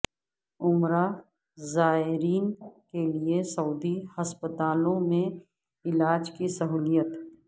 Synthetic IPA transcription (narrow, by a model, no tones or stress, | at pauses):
ʊmɾa | zaːɦɪɾiːnkeliesɐuːd̪ihɐspət̪aːlõmẽ | ɪlaːd͡ʒkisɐɦuːlijət̪